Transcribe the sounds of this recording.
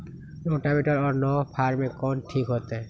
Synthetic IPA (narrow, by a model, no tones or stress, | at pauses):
noʈameʈɔɾɔɾnɔpʰaɾmẽkɔnʈʰikɦot̪e